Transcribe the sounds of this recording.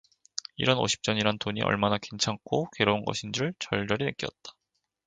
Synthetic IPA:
ḭɾʌno̰ɕʰi̥p̚t͡ɕ͈ʌɲiɾantoɲḭʔʌ̰ɭmanake̞nt͡ɕʰaŋk͈ʰoke̞ɾounɡʌ̰ɕʰind͡ʑuɯɭt͡ɕʌɭd͡ʑʌɾinek͈ijʌt̚t͈ḁ

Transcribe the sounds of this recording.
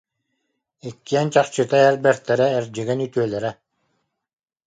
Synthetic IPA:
ikːiɛnt͡ɕaχt͡ɕɯt̪aɛɾbɛɾt̪ɛɾɛːɾd͡ʑiɡɛnyt̪yœlɛɾɛ

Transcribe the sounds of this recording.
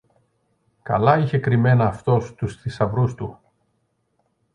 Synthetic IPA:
kɐ̰lɐiçe̞kɾime̞nɐːft̪o̞st̪usθisɐvɾust̪u

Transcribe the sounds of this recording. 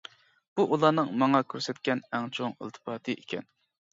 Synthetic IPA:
b̥uʔulˠɑnɨŋmɑŋɑkʲʰøɾsɛt̪̚kʲɛnɛŋt͡ʃʰoŋɪ̰lˠt̪ʰɨ̥pʰɑːt̪ʰɨʔekʲʰɛn

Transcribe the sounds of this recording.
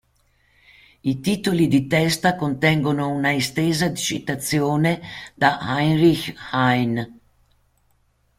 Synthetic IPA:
it̪iːt̪olid̪it̪ɛst̪akont̪ɛŋɡonounaist̪eːzad̪it͡ʃḭt̪at̪sjoːned̪̥ahajnɾixhajn

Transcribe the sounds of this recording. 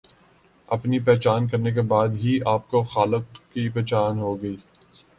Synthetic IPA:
ɐpnipɛɦt͡ʃaːnk̬ɐɾnek̬ebaːd̪ɦiʔaːp̚koxaːləqkipɛːt͡ʃaːnɦoɡɐiː

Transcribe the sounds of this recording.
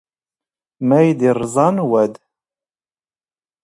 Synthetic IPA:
mæjd̪irˤzˤɑnwæd̪

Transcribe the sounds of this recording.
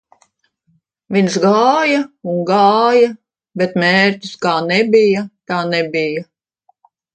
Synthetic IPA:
vinsɡaːjauŋɡɑːjɐ | bet̪mɛːɾt̪ʲi̥skaːnɛbijat̪aːnɛbʲija

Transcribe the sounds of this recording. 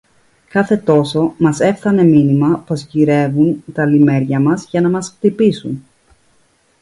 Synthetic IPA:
kɐθe̞t̪o̞so̞mɐse̞fθɐne̞minimɐpo̞sciɾe̞vunt̪ɐlime̞ɾʝɐmɐzʝɐnɐmɐsft̪ipisṵn

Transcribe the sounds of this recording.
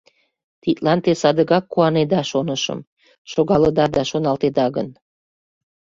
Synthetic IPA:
t̪it̪lɑnt̪esɑd̪əɣɑkːuɑned̪ɑʃonəʃə̰m | ʃoɣɑləd̪ɑd̪ɑʃonɑlt̪ed̪ɑɣə̰n

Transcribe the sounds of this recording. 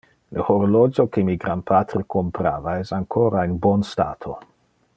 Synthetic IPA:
ləhoɾolod͡ʒokemiɡɾanpʰat̪ɾekʰompɾa̰ːvaɛsaŋkʰoɾaenbonsta̰ːt̪ʰo

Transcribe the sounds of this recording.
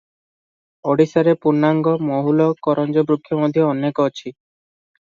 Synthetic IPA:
ɔɽisɔɾepuɾnːaŋɡɔmɔɦulɔkɔɾɔnd͡ʒɔbɾukʰːjɔmɔd̪ʱjɔɔnekɔt͡ʃʰi

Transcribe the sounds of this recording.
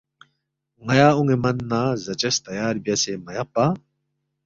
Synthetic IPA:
ŋɐjaːuŋemɐnːaːzɐt͡ɕɐst̪ɐjaːɾbjɐsemɐjɐpa

